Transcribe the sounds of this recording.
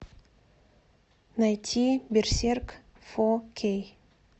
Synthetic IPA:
najt̪ʲʰibirserk | fokʰʲej

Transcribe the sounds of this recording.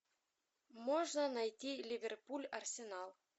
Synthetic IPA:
moʐnənɑjt̪ʲilʲivʲerpulʲɐrsʲenɑlˠ

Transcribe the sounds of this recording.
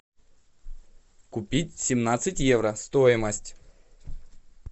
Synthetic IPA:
kʊpʲitʲsʲɪmnat̪sɨtʲjevɾəst̪o̞jɪməsʲtʲ

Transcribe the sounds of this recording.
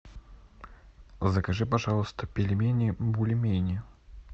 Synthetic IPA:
zɐkaʐɨpaʐalˠst̪əpʲelʲɪmʲenʲibulʲemʲenʲ

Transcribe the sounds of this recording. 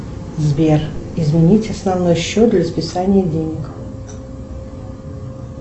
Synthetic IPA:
zbʲerɪzmʲɪnʲitʲɐsnɐvno̞jɕːot̪̚d̪lʲɐspʲɪsanʲɪjədʲenʲɪk

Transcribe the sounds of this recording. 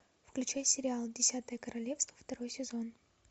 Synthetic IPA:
fklʲʉt͡ɕajsʲɪɾʲɪalˠdʲɪsʲat̪əjəkəɾɐlʲe̞fst̪vəft̪ɐɾo̞jsʲɪzo̞n

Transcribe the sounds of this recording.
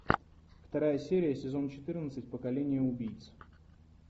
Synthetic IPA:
ft̪ɐɾajəsʲeɾʲɪjəsʲɪzo̞nt͡ɕɪt̪ɨrnət̪sɨtʲpəkɐlʲenʲɪjəʊbʲijt̪s

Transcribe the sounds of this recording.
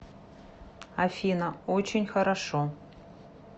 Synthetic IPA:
afʲinaot͡ɕenʲxɐɾaʂo

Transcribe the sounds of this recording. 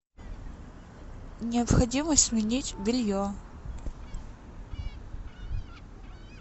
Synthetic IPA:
nʲɪəpxɐdʲiməsʲmʲɪnʲitʲvʲɪlʲjo

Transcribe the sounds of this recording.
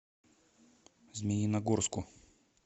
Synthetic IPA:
zmʲɪnʲinɐɡorskʊ

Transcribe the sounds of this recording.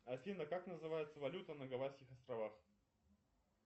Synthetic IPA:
ɐfʲinəkaknəzɨvajɪt̪səvɐlʲut̪ənəɡɐvasʲkʲɪxɐst̪ɾɐvax

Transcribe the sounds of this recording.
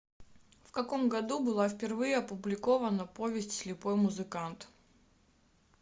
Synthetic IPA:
fkɐko̞mɡɐd̪ubɨlˠafpʲɪrvɨjəɐpʊblʲɪko̞vənəpo̞vʲɪsʲtʲsʲlʲɪpo̞jmʊzɨkant̪

